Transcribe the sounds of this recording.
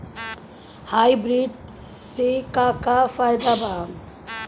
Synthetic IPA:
hajbɾiɖ | sekakafajd̪abaŋ

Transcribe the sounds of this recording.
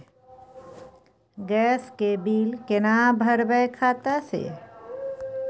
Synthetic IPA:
ɡɛːskebiːlkenabʱəɾbəjkʰaːt̪asḛː

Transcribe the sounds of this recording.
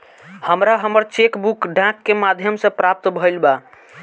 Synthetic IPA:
həmɾaɦəməɾt͡ʃekbukɖãkːemad̪ʱjəmsə̃pɾap̚t̪bʱəjlba

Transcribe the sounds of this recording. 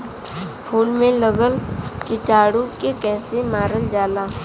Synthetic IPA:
pʰuːlmẽləɡəlkɪʈaːɽukekɛːsemaːɾəld͡ʒaːlaː

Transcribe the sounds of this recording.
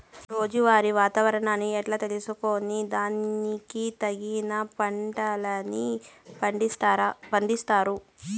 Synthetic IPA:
ɾo̞ːd͡ʒuʋaːɾiʋaːt̪ɐʋɐɾɐɳaːnːiɛʈlaːt̪e̞lisukoːnid̪aːnikit̪ɐɡinɐpɐɳɖɐlɐnipɐiɾɐpɐɳd̪ist̪aːɾu

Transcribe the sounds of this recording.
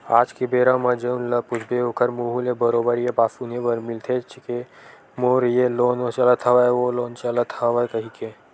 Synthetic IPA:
aːd͡ʒkibeːɾamɐd͡ʒeʊnlɐpʊd͡ʒʰbeokʰəɾmuːɦulebəɾoːbəɾjebaːsunebəɾmɪlt̪ʰet͡ʃʰike | moːɾjeloːnosɐlət̪ʰɐʋaʋoloːnt͡ʃɐlət̪ʰaʋakɐɦike

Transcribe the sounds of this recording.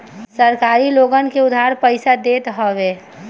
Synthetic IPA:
səɾkaɾiloɡənkeʊd̪ʱːaɾpəɪsad̪et̪ɦɔʋe

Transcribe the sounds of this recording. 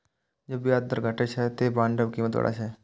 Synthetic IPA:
d͡ʒoːbijaːd̪əɾɡʱɐʈet͡ʃʰɛt̪ebãːnɖəbkiːmət̪ʋɐ̰ɽa̰t͡ʃʰɛ

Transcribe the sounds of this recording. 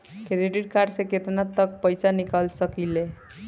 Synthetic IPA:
keɾeɖiʈkaɖseket̪nat̪ːʌk̚pəjsanikalsʌkile

